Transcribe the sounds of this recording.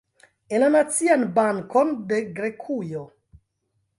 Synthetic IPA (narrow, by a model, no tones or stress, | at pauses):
enlanat͡sianbaŋkondeɡɾekʰujo